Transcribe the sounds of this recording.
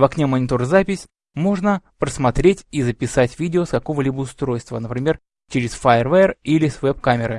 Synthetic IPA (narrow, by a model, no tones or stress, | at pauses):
vɐknʲemənʲɪt̪orzapʲɪsʲ | mo̞ʐnəpɾəsmɐt̪ɾʲetʲizəpʲɪsatʲvʲidʲɪoskɐko̞vəlʲibəʊst̪ɾo̞jst̪və̰nəpɾʲɪmʲer | t͡ɕɪɾʲɪsfarvarilʲɪsvɛpkamʲɪɾɨ